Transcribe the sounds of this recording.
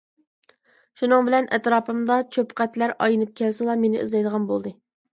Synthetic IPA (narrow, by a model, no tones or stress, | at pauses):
ʃunɨŋbɪlɛnʔɛ̰t̪ɾɑːpɨmd̪ɑt͡ʃʰøpqæt̪læɾɑ̰jɨnɨp̚kʲʰɛlsɪlˠɑmenɪ̰ʔɨ̰zɑjd̪əʁɑnbolˠd̪ɨ